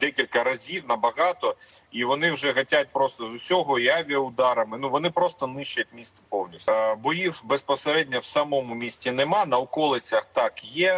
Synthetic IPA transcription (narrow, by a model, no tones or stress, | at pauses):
d̪ɛkʲilʲkɐɾɐzʲiwnɐbɐɣɑt̪ɔ | iʋɔnɪwʒɛɦɐtʲatʲpɾɔst̪ɔzʊsʲɔɦɔjaʋʲijɐʊd̪ɑɾɐmɪnuʋɔnɪpɾɔst̪ɔnɪʃt͡ʃɐt̚ʲmʲist̪ɪpɔwnʲisʲbɔjiwbespɔseɾɛdʲnʲɐwsɐmɔmʊmʲisʲtʲinɪmɑnɐɔkɔlˠɪt͡sʲɐxt̪ɑkjɛ